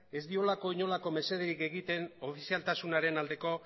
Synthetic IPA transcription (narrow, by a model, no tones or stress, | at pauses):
e̞zd̪io̞lako̞iɲo̞lako̞me̞se̞ð̞eɾike̞ɣit̪e̞no̞fisialt̪asunaɾe̞nald̪e̞ko̞